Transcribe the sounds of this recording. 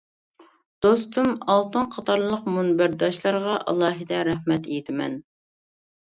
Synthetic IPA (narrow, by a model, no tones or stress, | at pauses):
d̪̥ost̪ʰumɑlˠt̪ɨnqʰɑt̪ʰɑɾlˠəqmunbæɾd̪ɑʃlˠɑɾʁɑʔɑ̰lˠɑːɦɨd̪ɛɾɛhmɛt̪ʰejt̪ʰɪmɛ̰n